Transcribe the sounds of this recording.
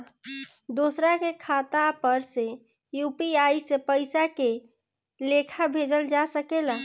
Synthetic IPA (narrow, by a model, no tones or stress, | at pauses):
d̪osɾakekʰat̪apəɾse | jupiaisepəɪsake | lekʰabʱed͡ʒəld͡ʒasəkela